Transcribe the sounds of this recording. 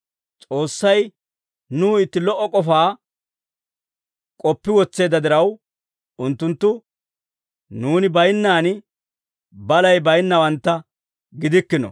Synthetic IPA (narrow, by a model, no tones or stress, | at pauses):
t͡sʼo̞ːsːɐj | nuːɪt̪ːɪlɔʔːɔkʼɔfaː | kʼɔpːɪwɔt͡sːe̞ːd̪ɐd̪ɪɾɐw | ʊnt̪ːʊnt̪ːʊ | nuːnɪbɐjnːaːn | bɐlɐjbɐjnːɐwɐnt̪ːɐ | ɡɪd̪ɪkːɪnɔ̰